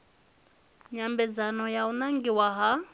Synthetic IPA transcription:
ɲambɛd͡zanɔjaunaŋɡiwaɦa

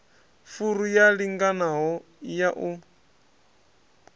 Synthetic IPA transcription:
fuɾujaɺiŋɡanaɦɔ | jaʔu

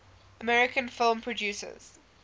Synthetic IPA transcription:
əmɛɹɪkʰə̃nfɪlˠmpʰɹɔdjʉːˑsə̰z̥

